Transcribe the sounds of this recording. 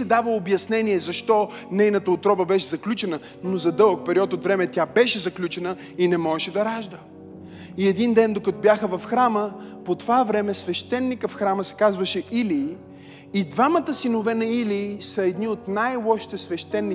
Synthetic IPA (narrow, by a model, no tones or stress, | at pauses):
ɛd̪avəobjɐsnɛnijɛzɐʃt̪ɔnɛjnət̪əot̪ɾɔbəbɛʃɛzɐklʲut͡ʃɛnə | nozɐd̪ɤlˠkpɛɾiɔt̪ot̪vɾɛmɛt̪ʲabɛʃɛzɐklʲut͡ʃɛnə | inɛmɔʃɛd̪ɐɾaʒd̪ə | iɛd̪ind̪ɛnd̪okɐt̪objaxəvɐfxɾaməpot̪ovavɾɛmɛsvɛʃt̪ɛnːikəfxɾaməsɛ̥kazvɐʃɛili | id̪vamət̪əsinovɛnɐiliːsɐɛd̪niot̪najlˠɔʃi̥t̪ɛsvɛʃt̪ɛnːi